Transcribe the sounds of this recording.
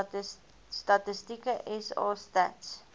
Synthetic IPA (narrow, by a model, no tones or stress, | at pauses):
statəstikəʔɛsɑ̰ːstæ̰ts